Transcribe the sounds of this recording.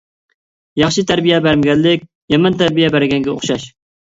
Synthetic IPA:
jɑχʃit̪ʰæɾbijɛbæɾmɪɡʲɛnlːɪkʲ | jɛmɛnt̪ʰɛɾbijɛbæɾɡʲɛŋɡʲɛo̰χʃɑʃ

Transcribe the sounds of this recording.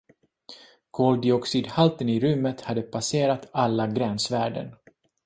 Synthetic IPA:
kʰɔld̪ɪɔksid̪halt̪ənɪɾɵmːət̪had̪ːəpʰaseːɾat̪alːaɡɾɛnsvæːɖə̰n

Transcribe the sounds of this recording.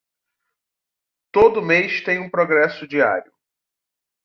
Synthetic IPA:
t̪od̪ʊmejʃt̪ẽj̃ũpɾoɡɾɛsʊd͡ʒia̰ɾjʊ

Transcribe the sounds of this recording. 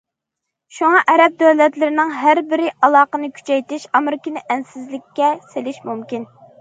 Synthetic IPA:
ʃuŋɑʔɛɾɛp̚d̪øwlɛt̪lɪɾɪnɪŋɦæɾbɪɾɪɑlˠɑːqənɨkʲʰy̥t͡ʃʰɛjt̪ɪʃɑmɾɪkʲinɪʔɛnsɪzlɪkʲʰːɛselɪʃmumkʲin

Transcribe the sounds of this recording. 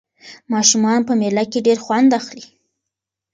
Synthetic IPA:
mɑʃumɑnpəmelakeɖeɾxwand̪axli

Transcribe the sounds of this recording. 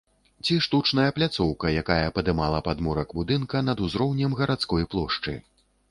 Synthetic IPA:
t͡sʲiʂt̪ut͡ʂnɐjɐplʲat̪sɔwkɐjakajɐpɐd̪ɨmalˠɐpad̪muɾɐkbud̪ɨnkɐnɐd̪uzɾɔwnʲɛmɣɐɾat̪skɔjplˠɔʂt͡ʂɨ̰

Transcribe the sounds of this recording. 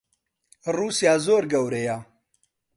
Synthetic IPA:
ruːsjaːzoːɾɡɐwɾeja

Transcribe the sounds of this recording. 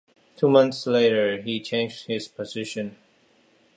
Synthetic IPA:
tʰumʌ̃nθsleɪɾə˞it͡ʃʰẽɪ̃nd͡ʒd̚hɪz̥pʰəzɪʃɨ̃n

